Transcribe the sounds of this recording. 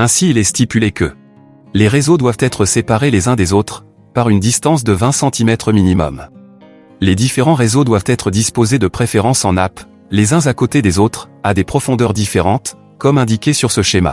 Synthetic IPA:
ɛ̃siːlɛst̪ipylekə | leʁezod̪wavt̪ɛt̪χəsepaʁelezɛ̃d̪ezot̪χ | paʁynd̪ist̪ɑ̃s̬d̪əvɛ̃sɑ̃t̪ʰimɛt̪χəminimɔ̰m | led̪ifeʁɑ̃ʁezod̪wavt̪ɛt̪χəd̪ispozed̪əpχefeʁɑ̃sɑ̃nap | lezɛ̃zakot̪ed̪ezot̪χad̪epχɔfɔ̃d̪œʁd̪ifeʁɑ̃t̪ | kɔmɛ̃d̪ikʲesyʁsəʃema̰

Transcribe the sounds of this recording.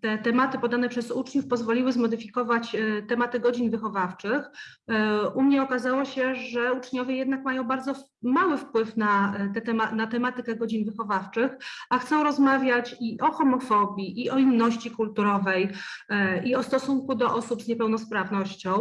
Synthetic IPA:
t̪ɛt̪ɛmat̪ɘpɔd̪anɛpʂɛzut͡ʂɲufpɔzvɔlʲiwɘzmɔd̪ɘfʲikɔvat͡ɕt̪ɛmat̪ɘɡɔd͡ʑinvɘxɔvaft͡ʂɘx | ʔumɲɛɔkazawɔɕɛʐɛut͡ʂɲɔvʲjɛjɛd̪nakmajɔ̃w̃baɾd̪zɔ | mawɘfpwɘfnat̪ɛt̪ɛanat̪ɛmat̪ɘkɛɡɔd͡ʑinvɘxɔvaft͡ʂɘxaxt̪sɔ̃w̃ɾɔzmavʲjat͡ɕiʔɔxɔmɔfɔbʲjiʔiʔɔinːɔɕt͡ɕikult̪uɾɔvɛj | iɔst̪ɔsuŋkud̪ɔʔɔsupzɲɛpɛwnɔspɾavnɔɕt͡ɕɔ̃w̃

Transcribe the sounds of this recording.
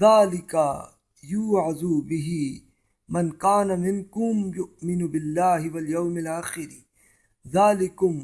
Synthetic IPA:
ðaːlɪka | juːʕazubɪɦi | mɐnkaːnamɪnkʊmjʊʔmɪnʊbɪlːaːɦɪwɐljawmɪlaːxɪɾ | ðaːlɪkʊm

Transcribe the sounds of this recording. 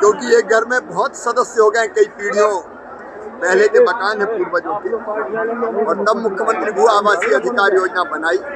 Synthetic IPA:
d͡ʒoʊʈieɡʱəɾmẽbɔɦɔt̪səd̪əsjəɦoɡɛɛ̃kəipiɽijõ | pɛɦlet̪epəkaːnɦẽpuːɾbəd͡ʒoʊʈi | ɔːɾnəmːʊkʰjəmə̃nt̪ɾibʱuaːʋaːsiəd̪ʱɪkaːɾjoːd͡ʒnabənaːi

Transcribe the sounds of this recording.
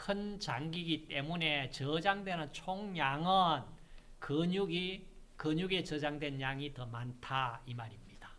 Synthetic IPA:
kʰɯnt͡ɕaŋɡiɡit͈e̞mune̞t͡ɕʌd͡ʑaŋdwe̞nɯnt͡ɕʰoŋɲaŋɯnkɯɲuɡikɯɲuɡe̞t͡ɕʌd͡ʑaŋdwe̞njaŋitʌmantʰaimaɾimɲid̥ḁ

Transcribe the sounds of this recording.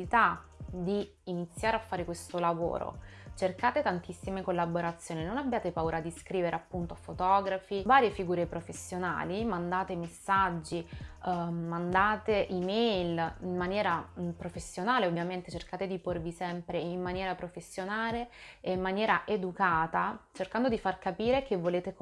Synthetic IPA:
it̪ad̪iː | nit̪sːjaːɾeafːaːɾekwest̪olavo̰ːɾo̰t͡ʃerkaːt̪et̪ant̪isːimekolːaboɾat̪sːjoːninonabːjaːt̪epauːɾad̪iskɾiːveɾeapːunt̪oafot̪ɔːɡɾafivaːɾjefiɡuːɾepɾofesːjona̰ːlimand̪aːt̪emesːad͡ʒːi | mːand̪aːt̪eʔimɛjlimmːanjɛːɾapɾofesːjonaːleovːjament̪et͡ʃerkaːt̪ed̪iporvisɛmpɾeimːanjɛːɾapɾofesːjonaːleːimːanjɛːɾaʔed̪ukaːt̪at͡ʃerkand̪od̪ifarkapiːɾekevːoleːt̪e

